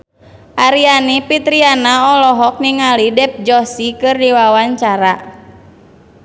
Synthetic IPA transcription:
ʔaɾianipit̪ɾianaɔlɔɦɔk̚niŋalidɛp̚d͡ʒɔsikɨrdiwawaɲt͡ʃaɾa

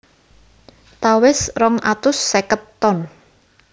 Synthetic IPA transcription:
t̪awɪsrɔŋat̪ʊsːekət̪ːɔn

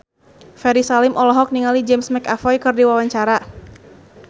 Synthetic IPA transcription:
fɛɾisalɪmʔɔlɔɦɔk̚niŋalid͡ʒɛmsmɛkafɔjkɨrdiwawaɲt͡ʃaɾa

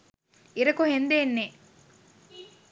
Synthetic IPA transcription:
iɾɐkohend̪eːnːeː

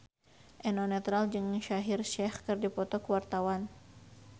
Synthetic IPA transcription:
ʔɛnɔnɛt̪ɾald͡ʒɨŋʃaɦirʃɛhkɨrdipɔt̪ɔkuwart̪awan

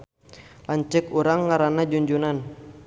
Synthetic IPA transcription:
laɲt͡ʃɛkuɾaŋːaɾanad͡ʒuɲd͡ʒunan

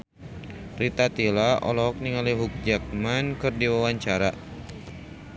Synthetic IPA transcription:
rit̪at̪ilaʔɔ̰lɔɦɔk̚niŋaliɦuk̚d͡ʒak̚mankɨrdiwawaɲt͡ʃaɾa

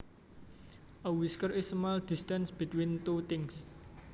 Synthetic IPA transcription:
ʔəwiskərɪsmald̪̥ist̪ansb̥it̪wint̪ut̪ɪŋs

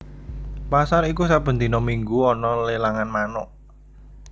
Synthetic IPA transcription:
pasaɾikusab̥ə̤nt̪i̤nɔmiŋɡuɔnɔlelaŋanmanɔʔ

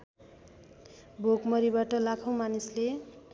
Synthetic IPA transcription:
bʱokmʌɾibaʈʌlakʰaw̃manisle

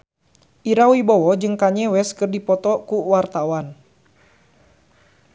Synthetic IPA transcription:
ʔiɾawibɔwɔd͡ʒɨŋkaɲɛwɛskɨrdipɔt̪ɔkuwart̪awan

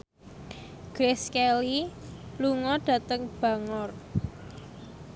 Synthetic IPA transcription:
ɡ̥ɾeskɛliluŋɔɖ̥ä̤t̪əŋb̥a̤ŋɔr

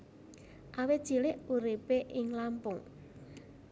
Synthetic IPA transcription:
ʔawɪ̥ʒ̥ilɪʔuɾipeʔɪŋlampʊŋ

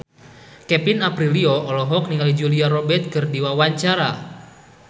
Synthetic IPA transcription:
kɛpinapɾiliɔʔɔlɔɦɔk̚niŋalid͡ʒuliaɾɔbɛt̪̚kɨrdiwawaɲt͡ʃaɾa

